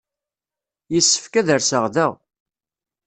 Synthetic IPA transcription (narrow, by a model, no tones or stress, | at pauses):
jəsːə̥fkæðəɾsəʁðæ